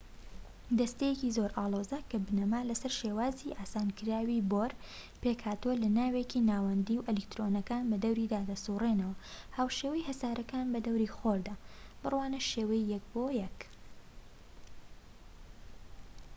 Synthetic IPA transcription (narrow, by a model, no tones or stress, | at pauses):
d̪ɐst̪ejekizoɾʔaːlˠo̞zɐkʰɐbɨnɐmaːlɐsɐɾʃewaːziʔaːsaːnkɨɾaːwiboɾ | pekhaːt̪uwɐlɐnaːwekinaːwɐnd̪iːwʔɛlɛkt̪ɾoːnɐkaːnbɐd̪ɐwɾid̪aːd̪ɐst̪urenɐwɐhaːwʃewɐjhɐsaːɾʔɐkaːnbɐd̪ɐwɾiːxoɾd̪ab̥ɨrwaːnɐʃeːwɐjjɐk̚bojɛk